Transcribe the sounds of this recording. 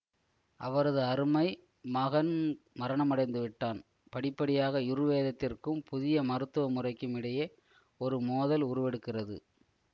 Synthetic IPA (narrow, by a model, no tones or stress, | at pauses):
ʔɐʋɐɾɐðɯɐɾɯmɐɪ | mɐɣɐn | mɐɾɐɳɐmɐɽɐɪnd̪ɯʋɪʈːaːn | pɐɽɪpːɐɽɪjaːɣɐɪɾɯʋeːðɐt̪ːɪrkɯmpʊðɪjɐmɐɾɯt̪ːɯʋɐmʊrɐɪkːɯmɪɽɐjeː | ɔɾɯmoːðɐlʊɾɯʋɛɽɯkːɪrɐðɯ̰